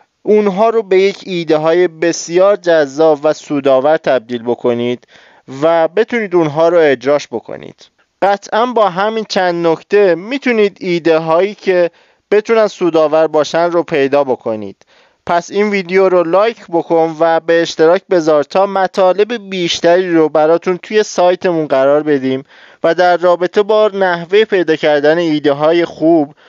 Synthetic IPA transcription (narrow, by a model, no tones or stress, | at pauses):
ʔunɦɒːɾobe̞je̞cʰiːd̪e̞ɦɒːje̞be̞sijɒːɾd͡ʒæzːɒːbvæsuːd̪ɒːvæɾt̪ʰæb̚d̪iːlbo̞kʰo̞niːd̪̥ | væbe̞t̪ʰuniːd̪unɦɒːɾoe̞d͡ʒɾɒːʃbo̞kʰo̰nḭːd̪̥ | ɢæt̪ʰʔænbɒːɦæmiːnt͡ʃʰænd̪nocʰt̪ʰe̞mit̪ʰuniːd̪iːd̪e̞ɦɒːjiːcʰe̞ | b̥e̞t̪ʰunænsuːd̪ɒːvæɾbɒːʃænropʰe̞jd̪ɒːbo̞kʰo̞nḭːd̪̥ | pʰæsinviːd̪eoɾolɒːjcʰbo̞kʰo̞nvæbeːʃt̪e̞ɾɒːcbe̞zɒːɾt̪ʰɒːmæt̪ʰɒːle̞bebiːʃt̪æɾiːɾobæɾɒːt̪ʰunt̪ʰuje̞sɒːjt̪ʰe̞munɢæɾɒːɾbe̞d̪iːm | væd̪æɾːɒːbe̞t̪ʰe̞bɒːnæhve̞jepʰe̞jd̪ɒːcʰæɾd̪æne̞iːd̪e̞ɦɒːje̞xub